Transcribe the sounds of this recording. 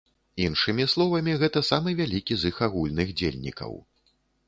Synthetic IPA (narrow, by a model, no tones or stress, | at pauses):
inʂɨmʲislˠɔvɐmʲiɣɛt̪ɐsamɨvʲalʲikʲizɨxaɣulʲnɨɣd͡zʲelʲnʲḭkɐ̰w